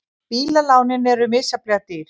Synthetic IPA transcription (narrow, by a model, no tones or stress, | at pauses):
piːlalaːwnɪnɛɾʏmɪːsaplɛat̪ɪɾ̥